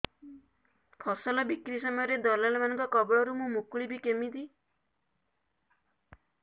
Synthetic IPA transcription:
pʰɔsɔlɔbikɾisɔmɔjɔɾed̪ɔlalɔmanɔ̃ŋkɔkɔbɭɔɾumũmukɭibikemid̪i

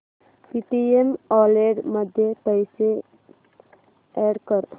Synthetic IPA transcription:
piʈiemɔleɽməd̪ʱjepəjse | ɛɽkəɾ

